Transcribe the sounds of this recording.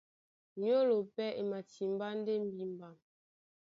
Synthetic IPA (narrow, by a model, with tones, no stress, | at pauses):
ɲ˦o˦lo˨pɛ˦ʔe˨ma˨ti˨m̩˦ba˦n˦de˦m̩˦bi˦m̩˨ba˨m